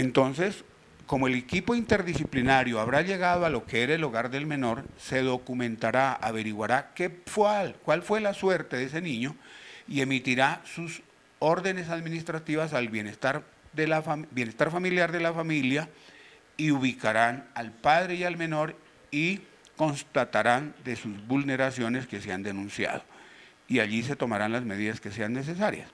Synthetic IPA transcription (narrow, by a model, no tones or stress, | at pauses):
e̞nt̪o̞nse̞s | ko̞moele̞kipo̞int̪e̞ɾðisiplinaɾjoaβɾaʎe̞ɣaðoalo̞keeɾaeloɣaɾðe̞lmẽ̞no̞ɾse̞ðo̞kumẽnt̪aɾaa̰βe̞ɾiɣwaɾakefwalkwalfwe̞laswe̞ɾt̪e̞ðe̞s̬e̞nĩɲo̞ie̞mit̪iɾasus | o̞ɾðe̞ne̞s̬aðmĩnist̪ɾat̪iβas̬alβjenest̪aɾ | d̪elafabje̞ne̞st̪aɾfamiljaɾðe̞lafamilja | iuβikaɾanalpaðɾe̞ialmẽ̞no̞ɾ | i | ko̞nst̪at̪aɾand̪e̞suzβulne̞ɾasjo̞ne̞ske̞seand̪e̞nũnsja̰ð̞o̞ | iaʎise̞t̪o̞maɾanlazme̞ð̞iðaske̞se̞anːe̞s̬e̞s̬aɾja̰s